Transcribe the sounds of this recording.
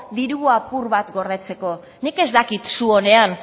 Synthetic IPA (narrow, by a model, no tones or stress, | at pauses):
d̪iɾuapuɾβat̪ɡo̞ɾð̞e̞t͡se̞ko̞ | nike̞zd̪akit̪suo̞ne̞an